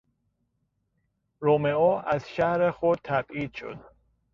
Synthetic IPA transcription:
ɾomeɔʔæzʃæhɾexod̪̚t̪ʰæbiːd̪̥ʃo̰d̪̥̚

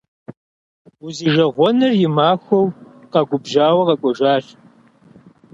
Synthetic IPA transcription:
ʊziːʒɐʁʷɔnɨrjɪmaːxʷɔwqɑɡʷʊbʒaːwɐqɐkʷʼɔʒaː

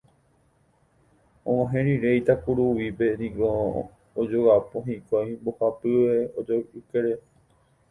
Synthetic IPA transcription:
õãɦẽɾ̃ĩɾejt̪akuɾuʋipe̞nĩɡo | od͡ʒoapoɦĩkojmbohapɨʋeod͡ʒoɨkeɾe

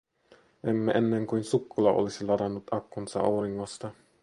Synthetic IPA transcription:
ʔemːeʔenːeŋkujnsukːulɑʔolisilɑɾɑnːut̪ɑkːunsɑ̰ʔɑ̰wɾiŋːost̪ɑ

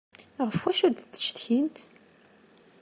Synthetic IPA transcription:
ʁəfwæʃuɾd̪t͡sːə̥ʃt̪çint̪

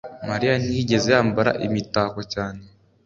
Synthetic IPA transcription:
maɾijanihiɟe̞zejaːmbaɾa̰ʔimitaːkocaːne

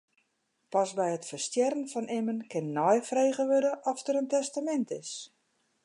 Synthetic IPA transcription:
pɑsbɛjətfərstjɛɾənfɔnʔɪmənkɪnːɔjfrejɣəʋødəʔɔftəɾəntɛstamɛntɪs

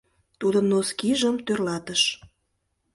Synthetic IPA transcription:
t̪ud̪ənoskiʒəmt̪ørlɑt̪əʃ

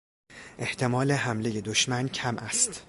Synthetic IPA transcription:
ʔe̞ht̪ʰe̞mɒːle̞ɦæmle̞je̞d̪oʃmæncʰæmʔæst̪

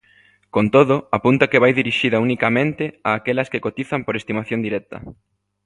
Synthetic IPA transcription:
kont̪oðʊapunt̪ɐkeβajðiɾiʃiðɐunikɐmẽnt̪ɪaːkɛlɐskekot̪iθɐmpoɾest̪imaθjond̪iɾɛt̪ɐ̰

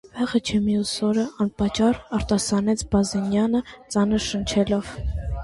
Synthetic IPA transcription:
vɛʁət͡ʃʰɛmijusɔɾəʔɑnpɑt͡ʃɑrɑɾt̪ɑsɑnɛt͡sʰbɑzɛnjɑnət͡sɑnəɾʃənt͡ʃʰɛlɔv

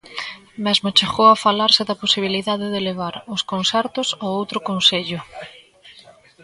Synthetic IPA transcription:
mɛzmot͡ʃeɣowafalaɾsɪðɐposiβ̞iliðaðɪðeleβ̞aɾʊskonsɛɾt̪ʊsoowt̪ɾʊkonseʎʊ

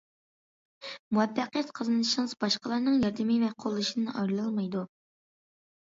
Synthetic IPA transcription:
muwɛfːæqjɛt̪qʰəzɨnɨɨʃiŋɨzbɑʃqəlˠɑɾnɨŋjɑɾd̪ɨmivɛqʰolˠːɨʃinɨʔɑjɾlˠɑlˠmɑjd̪u

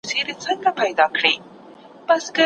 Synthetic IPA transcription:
seɾet͡səŋɡapajd̪ɑkɽi | b̥askə

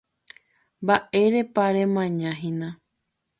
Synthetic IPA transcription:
mbaʔe̞ɾe̞paɾemãɲãɦĩnã

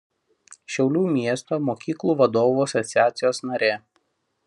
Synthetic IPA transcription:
ʃʲɛʊlʲuːmʲiɛst̪oːmoːkʲiːklˠuːʋɐd̪oːʋuɐsɔt̪sʲɪæːt̪sʲɪjoːsnɐɾʲeː

